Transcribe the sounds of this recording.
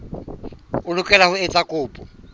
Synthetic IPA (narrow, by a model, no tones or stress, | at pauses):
ʊlʊkʼɛlahʊɛt͡sʼakʼʊːpʼɔ